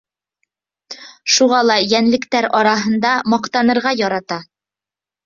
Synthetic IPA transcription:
ʃuʁɑlˠɑjænlɘ̆kt̪æɾɒɾɑɦɤ̆nd̪ɑmɑqt̪ɑnɤ̆ɾʁɑjɒɾɑt̪ɑ

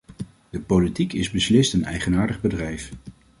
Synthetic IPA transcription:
d̥əpolitikɪzbəslɪstənɛ̰jχənaːɹdəχbədrɛjf

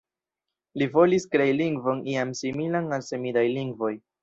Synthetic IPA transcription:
livo̞liskɾe̞jliŋɡvo̞niamsimilanalse̞midajliŋɡvo̞j

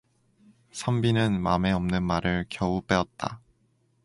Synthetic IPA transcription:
sʰambinɯnmame̞ʌmnɯnmaɾɯɭkjʌup͈e̞ʌt̚t͈a̰

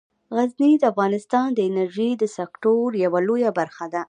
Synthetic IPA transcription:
ɣaznid̪əafɣɑnɪst̪ɑnd̪əɪnaɾʒid̪əsakʈoɾjawalojabaɾxad̪a

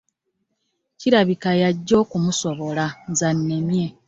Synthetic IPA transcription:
ciɾaβikajaɟːo̞ːkumuso̞βo̞lanzanːemje̞

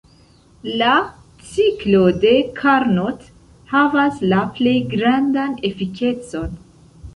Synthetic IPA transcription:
la | t͡siklo̞de̞kʰaɾnot | havaslaple̞jɡɾandanefike̞t͡so̞n

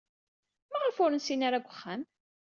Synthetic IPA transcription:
mæʁəfʊɾənsinaɾaɡʷəχːæm

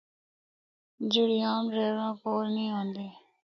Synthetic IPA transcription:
d͡ʒɪɽɪjãːmɾeːɾãːkoːɾnĩːɦõːnd̪eː

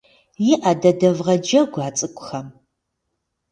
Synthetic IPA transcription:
jɪʔɐdɐdɐvʁɐd͡ʒɐɡʷaːt͡sʼɨkʷʼʊxɐm

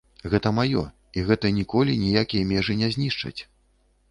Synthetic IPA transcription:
ɣɛt̪ɐmajɔ̰ | iɣɛt̪ɐnʲikɔlʲinʲijakʲijɐmʲɛʐɨnʲɛzʲnʲiʂt͡ʂɐ̰t͡sʲ

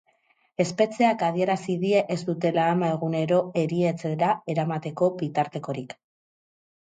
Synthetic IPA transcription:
e̞spe̞t͡se̞akað̞ie̞ɾasiðie̞ʔezd̪ut̪e̞laːmae̞ɣ̞une̞ɾo̞e̞ɾie̞t͡se̞ɾae̞ɾamat̪e̞ko̞bit̪aɾt̪e̞ko̞ɾik

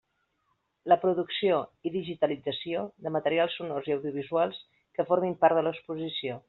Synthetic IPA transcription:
ləpɾuðuksioiðiʒit̪əlid͡zəsioðəmət̪əɾialˠsːunorziəwðiuβ̞izualˠs | kəfoɾmimpaɾðələkspuzisio

